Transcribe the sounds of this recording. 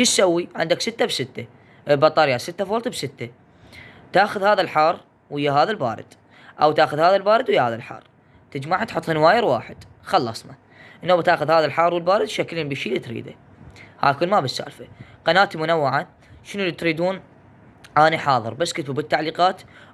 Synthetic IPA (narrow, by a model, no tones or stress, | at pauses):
ʃit̪sawːiʕɪ̰nd̪aksɪt̪ːabsɪt̪ːa | bɑt̪ˤːɑːɾjasɪt̪ːafoːlt̪bsɪt̪ːa | t̪aːxʊðhaːðalħɑːrˤ | wʔɪjːaɦaːðalbaːɾˤɪ̰d̪̥ | ʔawt̪aːxʊðhaːðalbaːɾɪd̪wɪjːahaːðalħɑ̰ːrˤ | t̪ɪd͡ʒmaʕat̪ħʊt̪ˤːhɪnwaːjɪɾwaːħɪd̪̥ | xɑlːɑsˤnɑ | ʔnːoːbt̪aːxʊðhaːðalħɑːɾˤwɪlbaːɾɪd̪ʃaklinbiʃiːlːit̪ɾḭːd̪a̰ | ha̰ːkʊlːmabɪsːa̰ːlfaqɑnaːt̪imʊnawːɪʕa | ʃənulːit̪ɾiːd̪uːn | ʔaːniħɑːðˤɨ̰ɾbasːkɪt̪bubɪt̪ːaʕliːqɑːt̪